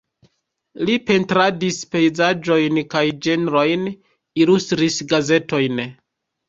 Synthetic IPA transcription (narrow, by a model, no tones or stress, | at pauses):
lipe̞ntɾadispe̞jzad͡ʒo̞jnkajd͡ʒe̞nɾo̞jn | ilustɾisɡaze̞to̞jn